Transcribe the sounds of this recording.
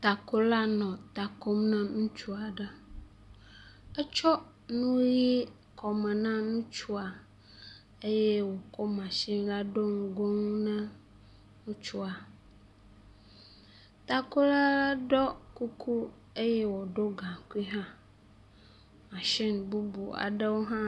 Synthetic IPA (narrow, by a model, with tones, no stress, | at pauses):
t̪a˨ko˦la˦nɔ̃˨t̪a˨ko˦mnã˦nũ˦t͡ʃu˦a˨ɖə˦ | ə˦t͡ʃɔ˦ | nũ˦ji˦ | kɔ˨mɛ̃˨nã˦nũ˦t͡ʃu˦a˨ | e˦je˦wo˨ko˦mã˨ʃi˦nla˦ɖo˦ŋ˦ɡo˦ŋ˦nɛ̃˦ | nũ˦t͡ʃu˦a˨ | t̪a˨ko˦la˦la˦ɖɔ˦ku˦kʰu˦ | e˦jɛ˦wɔ˨ɖo˦ɡã˨ki˦ɦã˦ | mã˨ʃi˦nbu˦bṵ˨a̰˨ɖə˦wo˦ɦã˦